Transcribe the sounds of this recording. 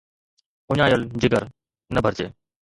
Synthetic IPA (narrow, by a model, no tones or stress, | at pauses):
ʊɲaːjəld͡ʑɪɡəɾ | nɐbʱəɾt͡ɕeː